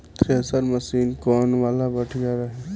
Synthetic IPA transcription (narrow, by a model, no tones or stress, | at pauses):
t̪ɾeɦəzaːɾməsiːnkɔːnʋaːlabəʈʰjaɾɐɦɛ